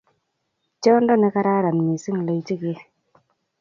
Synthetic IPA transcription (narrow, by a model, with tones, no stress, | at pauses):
t͡ʃɔ˦ndɔ˦nɛ˦ka˦ɾa˦ɾa˨n˨mi˨si˦ŋ˨le˨˦ti˦ke˦